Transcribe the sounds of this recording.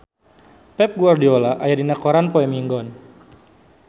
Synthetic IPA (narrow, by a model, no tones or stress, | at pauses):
pɛp̚ɡuardiolaʔajadinakɔɾanpoɛmiŋɡɔn